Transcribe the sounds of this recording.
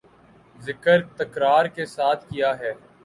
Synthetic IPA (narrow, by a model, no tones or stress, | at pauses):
zɪkəɾt̪ɐkɾaːɾkesaːt̪ʰkijaɦɛː